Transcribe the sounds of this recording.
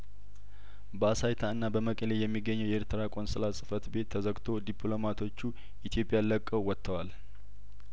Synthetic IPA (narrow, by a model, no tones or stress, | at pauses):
bəasajt̪ʰaɨnːabəməkʼəlejɛmːiɡːəɲːəwjɛeɾt̪ʰɨɾakʼo̞nsʼɨlasʼɨfət̪be̞t̪ʰːəzəɡt̪ʰo̞d̪ipʰlo̞mat̪ʰo̞t͡ʃːu | ʔit̪ʰjo̞pʼjaləkʼːəwwːɔt̪ʰːəwal